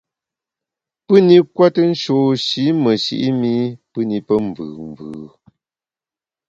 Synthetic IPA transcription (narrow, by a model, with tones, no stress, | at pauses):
pɨ˦ni˦kwa˦tə˦n̩˦ʃo˨ʃi˨˦mə˨ʃḭ˨ʔi˦mi˦pɨ˦ni˨pə˦m˨vɯ̰ː˨m˨vɯː˨